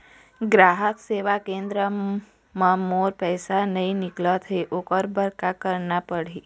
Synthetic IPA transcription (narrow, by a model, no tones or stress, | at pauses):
ɡɾaːɦəkseːʋakẽːnd̪ɾə | mãmoːɾpɛːsanɐĩnɪklət̪ɦeʔokəɾbəɾkakəɾnapəɽiː